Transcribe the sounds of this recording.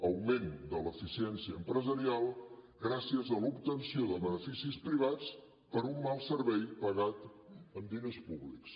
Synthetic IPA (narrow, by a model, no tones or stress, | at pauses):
əwmend̪ələfisiɛnsiəːmpɾəzəɾialˠ | ɡɾasiəzəlubt̪ənsioðəβənəfisispɾiβ̞at͡s | pəɾumːalˠsəɾβɛjpəɣat̪ənd̪inespuβliks